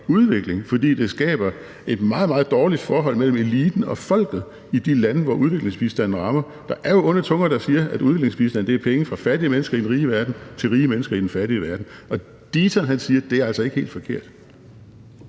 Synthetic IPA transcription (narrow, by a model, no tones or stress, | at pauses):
uð̞ˠʋe̝ɡ̥le̝ŋfɒ̽d̥ḭːd̥e̝sɡ̥ɛ̰ːb̥ɐ | e̝d̥mɑ̈ːð̩ˠmɑ̈ːð̩ˠd̥ɒːlid̥fɒːɦɒ̽l̰mel̰m̩e̝liːd̥n̩ɒ̽fɒ̽l̰ɡ̥ð̩ˠ | id̥ilænəʋɒʔuð̞ˠʋe̝ɡ̥le̝ŋsb̥isd̥æn̰n̩ʁɑ̈mɐ | d̥ɑ̈ʔæɐjo̝ɔ̽nɐt͡sʰɔ̽ŋɐd̥ɑ̈siːɐʔæduðˠʋe̝ɡleŋsb̥isd̥æn̰d̥e̝æɐpʰeŋəfʁɑ̈fæɐɾ̥iəmenəsɡ̥ɐid̥enʁiːəʋæɐd̥n̩t͡sʰe̝lʁiːəmenəsɡ̥ɐid̥enfæɐɾiəʋæɐd̥n̩ɒ̽ | d̥iːt͡sʰænɦænsiːɐd̥e̝æɐælsɒ̽e̝ɡ̥əhe̝̰ːld̥fɒ̽kʰe̝ɐ̰d̥